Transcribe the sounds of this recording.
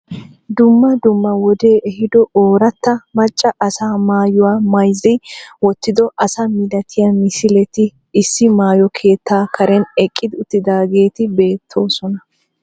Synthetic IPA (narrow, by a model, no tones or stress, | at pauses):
d̪ʊmːɐd̪ʊmːɐwɔd̪e̞ːʔɛhɪd̪ɔoːɾɐt̪ːɐmɐt͡ʃʼːɐʔɐsaːmaːjʊwaːmɐjzɛjwɔt̪ːɪd̪ɔʔɐsɐmɪd̪ɐt̪ʰɪjɐmɪsɪlɛt̪ɪː | sːɪmaːjɔkʰe̞ːt̪ːaːkɐɾɛnɛkʼːɪd̪ɪʊt̪ːɪd̪aːɡe̞ːt̪ɪbe̞ːt̪ʰːo̞ːsɔnɐ